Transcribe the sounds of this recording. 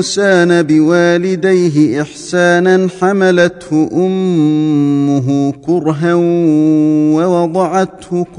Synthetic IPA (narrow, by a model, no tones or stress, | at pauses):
saːnabɪwaːlɪd̪ajɦɪʔɪħsaːnanħamalat̪hʊʔʊmː | ʊɦʊkʊɾɦa | wɑwɑd̪ˤɑʕɑt̪hʊk